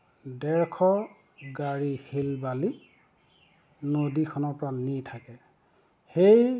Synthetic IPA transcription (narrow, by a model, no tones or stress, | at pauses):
dɛɹkʰɔ | ɡaɹihilbali | nodikʰɔnɔpɹanitʰakɛ | hej